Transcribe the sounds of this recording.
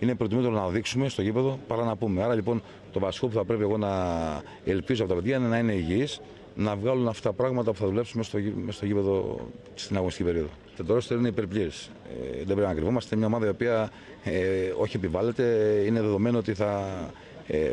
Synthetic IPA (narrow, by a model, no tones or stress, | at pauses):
inepɾot̪imot̪eɾonɐðiksume̞st̪ocipe̞ðo̞pɐɾɐnɐpume̞ɐɾɐʎipo̞n | t̪o̞vɐsi̥ko̞puθɐpɾe̞pieɣo̞nɐ | elpizuoɐpot̪ɐpeðjɐnenɐine̞iʝiis | nɐvɣɐlunɐft̪ɐpɾɐɣmɐt̪ɐpuθɐðule̞psumest̪omest̪o̞ʝipe̞ðo̞ | st̪inɐɣnist̪i̥cipe̞ɾio̞ðot̪et̪oɾost̪eɾineipeɾpʎiɾis | ðebɾepinɐkɾivomɐst̪emɲɐomɐðɐio̞piɐ | o̞çie̞pivɐle̞t̪e̞ineðe̞ðo̞me̞noo̞t̪iθɐ̰